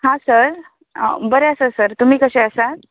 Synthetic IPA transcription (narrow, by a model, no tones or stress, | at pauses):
ɦãsəɾ̰ | bəɾeəsəsəɾt̪um̤iːkəɕeəsa